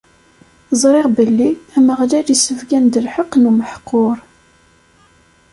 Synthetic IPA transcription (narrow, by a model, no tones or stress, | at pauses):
zˤɾˤɪʁbəlːiæməʁlæɾisəvɡænd̪əlħəqːnuməħqːoɾˤ